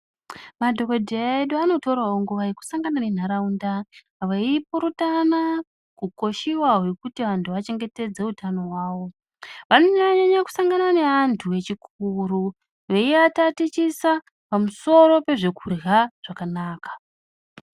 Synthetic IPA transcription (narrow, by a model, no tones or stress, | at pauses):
madʱo̞kodʱeaeɗoano̞to̞rwaoŋɡuʋaeku̥saŋɡanane̞n̤aɾaundaː | ʋaipoɾutana | kuko̞ʃiwaɦekutiʋantʰuʋat͡ʃe̞ŋɡe̞te̞d͡ze̞utano̞ɦwaːwo̞ | ʋanoɲɲaɲaku̥saŋɡanane̞antʰuwe̞t͡ʃikʰuɾu | ʋe̞iatatit͡ʃisa | pamuso̞ɾo̞pe̞ʐe̞kurɣaʐ̥akanaːkḁ